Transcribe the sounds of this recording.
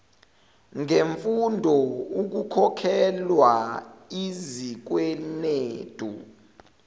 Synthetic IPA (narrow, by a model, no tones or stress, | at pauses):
ŋeɱfundʱɔuk̬ukʰɔkʰɛlwaizik̬wɛneːd̥ʼʱṵ